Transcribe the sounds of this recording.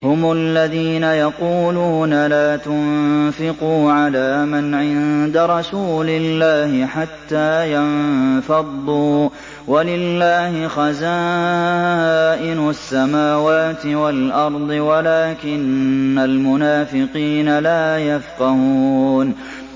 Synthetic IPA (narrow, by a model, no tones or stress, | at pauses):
hʊmʊlːaðiːnajɑquːluːnalaːt̪ʊnfɪquːʕalaːmanʕɪnd̪aɾˤɑsuːlɪlːaːhɪħat̪ːaːjanfɑd̪ˤːuː | walɪlːaːhɪxazaː | ʔɪnʊasːamaːwaːt̪ɪwalʔɑɾˤd̪ˤɨwalaːkɪnːalmʊnaːfɪqiːnalaːjafqɑhuːn